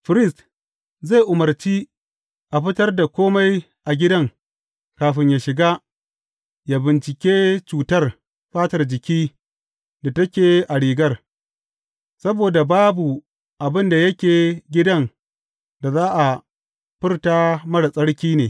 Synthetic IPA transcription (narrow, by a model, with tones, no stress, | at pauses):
ɸɪ˦ɾɪ˦˨st | za˦˨jʔʊ˨mɐ˨rt͡ʃi˦ | ʔa˨ɸɪ˦tɐ˦rda˨kʷoː˦ma˦j | ʔa˨ɡʲɪ˦dɐ˦ŋ | kaː˨ɸɪ˦ɲja˨ʃɪ˨ɡa˦ | ja˨bɪ˨nt͡ʃɪ˨kʲeː˦t͡ʃuː˨tɐ˦r | ɸaː˦tɐ˨rd͡ʒɪ˨kʲiː˦ | da˨tɐ˦kʲeː˨ʔa˨ɽiː˨ɡɐ˦r | sɐ˦boː˨da˨baː˦bu˨ | ʔa˨bɪ˦nda˨jɐ˦kʲeː˨ɡʲɪ˦dɐ˦n | da˨zaː˦ʔa˨ | ɸɪ˦rtaː˦mɐ˦ɽa˨sʼɐ˦ɽkʲiː˦neː˨